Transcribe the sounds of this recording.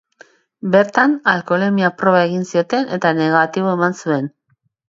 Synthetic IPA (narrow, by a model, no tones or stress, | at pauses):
be̞ɾt̪analko̞lemiapɾo̞βae̞ɣinsio̞t̪e̞ne̞t̪ane̞ɣ̞at̪iβo̞e̞mansue̞n